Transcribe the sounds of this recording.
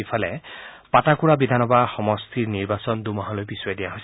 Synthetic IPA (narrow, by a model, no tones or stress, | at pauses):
ipʰalɛ̰ | patakuɹabid̪ʱanɔbaxɔmɔst̪ʰiɹniɹbasɔnd̪umɔɦalojpisɔɹɛdijaɦojs